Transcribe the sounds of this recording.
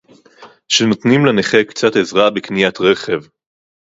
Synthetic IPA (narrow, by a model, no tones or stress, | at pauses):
ʃeno̞t̪nimleneχekt͡satezʁabekniat̪ʁe̞χev